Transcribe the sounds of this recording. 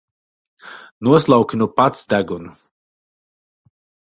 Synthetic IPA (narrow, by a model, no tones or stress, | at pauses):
nuɔslˠawkʲinupat̪sd̪æɡunu